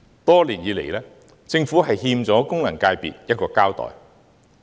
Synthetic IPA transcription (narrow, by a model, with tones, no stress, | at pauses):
t̪ɔː˥liː˨˩njiː˨˧le˨˩jlɛː˥ | t͡sɪ˧ŋfuː˨˥ɦɐ˨jɦiː˧mt͡sɔː˨˥kʊ˥ŋlɐ˨˩ŋkaː˧jpḭː˨t̚jɐ˥t̚kɔː˧kaː˥wt̪ɔ̰ː˨˩j